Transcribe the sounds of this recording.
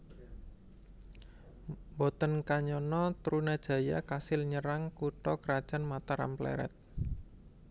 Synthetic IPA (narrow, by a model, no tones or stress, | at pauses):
mbɔt̪ənkaɲɔnɔt̪ɾunad̥ʒ̥ä̤ja̰kasɪlɲəɾaŋkuʈɔkəɾad̥ʒ̥a̤nmat̪aɾa̰mplɛ̰ɾɛ̰t̪̚